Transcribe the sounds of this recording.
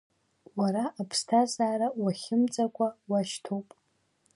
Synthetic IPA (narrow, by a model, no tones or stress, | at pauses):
waɾaːpʰstʰazaːɾawaχʲɪmt͡sʼakʷʰʼawaʃtʰowpʼ